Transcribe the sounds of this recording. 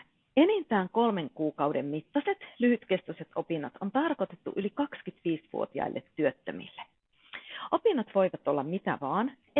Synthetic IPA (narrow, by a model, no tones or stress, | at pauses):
enint̪æːŋko̞lme̞ŋkuːkɑwde̞mmit̪ːɑse̞t̪lyhyt̪ke̞st̪ose̞t̪o̞pinːɑt̪o̞nt̪ɑrko̞t̪e̞t̪ːṵʔylikɑkskyt̪ʋiːsʋṵot̪iɑ̰ilːet̪ːyøt̪ːømḭlːe | ʔo̞pinːɑt̪ʋo̞jʋɑt̪o̞lːɑmmit̪æ̰ʋɑːn